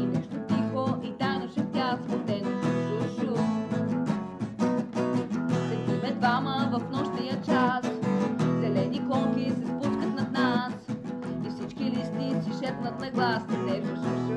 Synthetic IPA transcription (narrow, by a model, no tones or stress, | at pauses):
inɛʃt̪ot̪ixoʔit̪ajnoʃɛft̪ʲaxskot̪ɛnot̪ɛsuʃu | sɛt̪umɛd̪vaməvɐfnɔʃnijət͡ʃaszɛlɛnikɔŋkʲisɛspuskət̪nɐd̪nas | ifsit͡ʃkilist̪isiʃɛpnət̪nɐɡlˠast̪ɛt̪ɛvusuʃ